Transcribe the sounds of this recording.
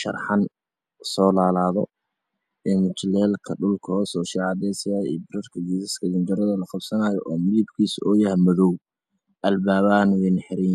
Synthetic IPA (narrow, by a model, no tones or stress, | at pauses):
ʃɐ̰rħɑn | sɔːlaːlaːðɔ̰ | ʔɛːmɪt͡ʃlɛːlkʰɐɖʊlkʰɔːsɔːʃɛʕɑd̪ɛːsɪjaːḭːbɪɾɐrkʰɐɡiːsɐskʰɐd̪ɪnd͡ʒɐɾɐðɐlɐχɑbsɐnaːjɔʔɔːmɪðɪbkʰiːsɔːjɐɦɐmɐðɔw | ʔɐlbaːβaːnwɛnħɪɾiːn